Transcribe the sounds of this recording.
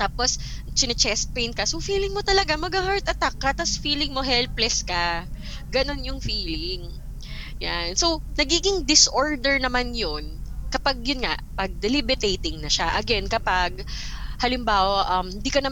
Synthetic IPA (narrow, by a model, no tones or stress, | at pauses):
t̪aːpos | t͡ʃɪnɛt͡ʃɛst̪̚pejn̚kɐsofiːlɪŋmot̪ɐlɐɡamɐɡahaɹt̪ʔɐt̪akːɐt̪ɐsfiːlɪŋmo̞ɦɛlplɛskɐ | ɡɐno̞njʊŋfiːlɪŋ | janso̞wnɐɡiːɡɪŋd̪ɪsʔoɹd̪ɛɹnɐmanjonkɐpaɡ̚jʊnŋa̰ʔpɐɡ̚d̪ɛlibɪt̪ejt̪ɪŋnɐʃaʔɐɡɛnkɐpaɡ̚ | hɐlɪmbaːwɐʔɐmhɪnd̪ikɐnɐm